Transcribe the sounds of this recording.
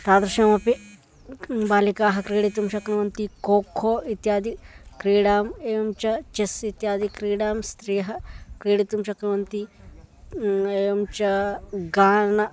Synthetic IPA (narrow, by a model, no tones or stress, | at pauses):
t̪aːd̪ɾuʃɐːmɐpi | baːlikaːɦɐkɾiːɽit̪umʃɐknɐʋɐnt̪ikoːkʰoːit̪jaːd̪ikɾiːɽaːmeːɐmt͡ʃɐt͡ʃesit̪jaːd̪ikɾiːɽaːmst̪ɾiːɦɐkɾiːɽit̪umʃɐkɾɐʋɐnt̪i | eːjɐmt͡ʃɐɡaːnɐ